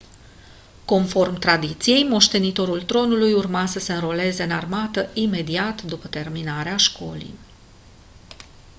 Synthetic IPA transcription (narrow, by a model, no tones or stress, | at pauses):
ko̞nfo̞rmt̪ɾad̪it̪sije̞jmo̞ʃt̪e̞nit̪o̞ɾult̪ɾo̞nulujurmasəse̞ɨnɾo̞le̞ze̞ɨnarmat̪əʔime̞d̪iat̪d̪upət̪e̞rminaɾeaʃko̞̰lḭj